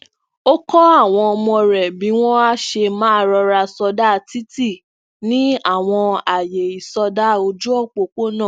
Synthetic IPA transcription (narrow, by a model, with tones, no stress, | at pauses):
o˦kɔ˦a˦˨w̃ɔ̃˧ɔ˧mɔ̃˧ɾɛ˨bi˨˦w̃ɔ̃˦a˦ʃe˧mãː˨˦˧ɾɔ˧ɾa˧sɔ˧da˦˧ti˦ti˦˨ | nĩ˨˦a˦˨w̃ɔ̃˧a˨je˨i˨sɔ˧da˦o˧d͡ʒu˦ɔ˦˨k͡po˧˨k͡po˦nã˦˨